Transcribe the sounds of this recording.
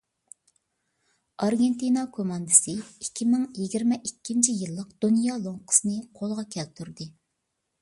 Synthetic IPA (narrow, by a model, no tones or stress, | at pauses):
ɑɾɡʲent̪inɑkʰomɑnd̪ɨsɨikʲʰːimɪŋjiɡʲiɾmɛʔikʲːint͡ʃʰijilˠːəqd̪unjɑlˠoŋqʰə̥sɨnɨqʰolˠʁɑkʲʰɛlt̪ʰuɾd̪ɨ